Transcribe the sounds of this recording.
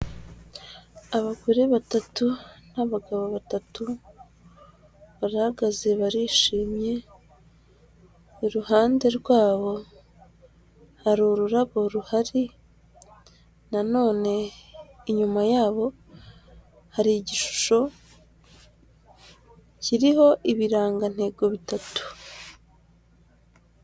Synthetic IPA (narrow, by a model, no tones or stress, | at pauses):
aβaɡoɾeβatatunaβaɡaβo̞βatatu | βaɾahaɡaze̞βaɾiːʃiːmɲe̞ | iɾuhaːnde̞ɾɡwaːβo̞ | haɾuɾuɾaβo̞ɾuhaɾi | nano̞ːne̞iɲumajaːβo̞ | haɾiɟiʃu̥ʃo̞ | ciɾiho̞ʔiβiɾaːŋɡan̥he̞ːɡo̞βitatu̥